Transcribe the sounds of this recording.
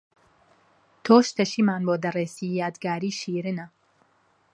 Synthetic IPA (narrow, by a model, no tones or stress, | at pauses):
t̪ʰoːʃt̪ʰɐʃimaːnboːd̪ɐresijat̪ɡaːɾiːʃiːɾinɐ